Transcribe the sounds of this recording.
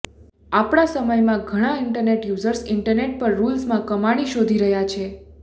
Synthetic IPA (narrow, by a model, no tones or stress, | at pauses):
apɽ̃asəməjmãɡʱəɽ̃aɪɳʈəɾneʈjuzəɾsɪɳʈəɾneʈ̚pəɾːulsmãkəmaɽ̃iʃod̪ʱiɾəɦjat͡ʃʰe